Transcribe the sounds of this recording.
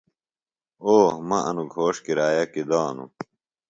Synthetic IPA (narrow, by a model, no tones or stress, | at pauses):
oːhmɐɐnuɡʱoːʂkiɾaːjɐkid̪aːnṵ